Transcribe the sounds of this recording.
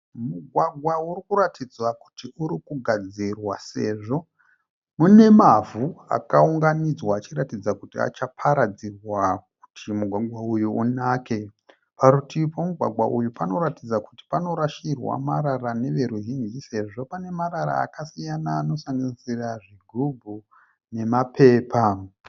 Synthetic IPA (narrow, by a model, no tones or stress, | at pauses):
muɡʱwaɡʱwauɾikuɾatʰid͡zwaku̥tiuɾikuɡʱad͡zirwase̞ʐo̞ | mune̞mavua̰kauŋɡanid͡zwaːt͡ʃiɾatid͡zakutia̰t͡ʃapʰaɾad͡zirwak̚u̥tʰimuɡʱwaɡwaujuunaːke̞ | paɾutipo̞muɡʱwa̰ɡʱwa̰ʔujupano̞ɾatid͡zaku̥ti̥pano̞ɾaʃirwa̰maɾarane̞ʋe̞ɾuʒind͡ʒise̞ʐo̞pane̞maɾaɾa̰ːkasijanaːno̞saŋɡanisiraʐiɡʱubʱu | ne̞mape̞ːpa